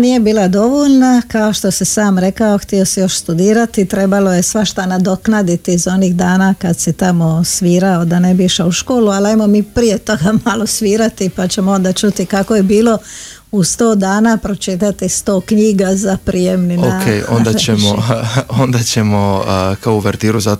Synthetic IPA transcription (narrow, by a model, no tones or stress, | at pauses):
nije̞biːlˠad̪o̞ʋoʎnakaoʃt̪o̞sisaːmɾe̞kaoxt̪iosijo̞ʃst̪ud̪iːɾat̪it̪ɾe̞baloje̞sʋaʃt̪anad̪o̞knad̪it̪iːzo̞niːɣd̪aːnakad̪sit̪amo̞sʋiːɾaod̪anebiiʃauʃkoːlualajmomiːpɾije̞t̪o̞ɡamalosʋiːɾat̪ipat͡ɕemoo̞nd̪at͡ʃut̪ikakojebiːlo̞ | ust̪oːd̪aːnapɾo̞t͡ʃit̪at̪ist̪oːkɲiːɡazapɾije̞mninoakejo̰nd̪at͡ɕemoond̪at͡ɕemokaouʋeɾt̪iːɾuza